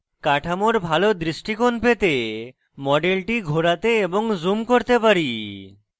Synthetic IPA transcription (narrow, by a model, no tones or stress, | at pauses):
kaʈʰamoɾbʱalod̪ɾiʃʈikonpet̪e | mɔɖelʈiɡʱoɾat̪eeboŋzumkoɾt̪epaɾi